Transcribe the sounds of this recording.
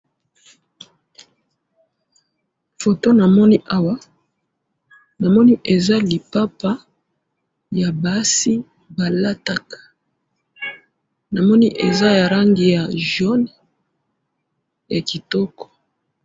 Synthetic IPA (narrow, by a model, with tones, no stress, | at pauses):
fo˨to˦na˨mɔ˦ni˦ʔa˦wa˦ | na˨mɔ˦ni˦ʔe˨za˦li˨pa˦pa˦ | ja˨ba˨˦si˦ | ba˨la˦ta˦kḁ˨ | na˨mɔ˦ni˦ʔe˨za˦ja˨ɾa˦ŋɡi˦ja˨ʒɔ˦n | ja˨ki˨tɔ˦kɔ̥˨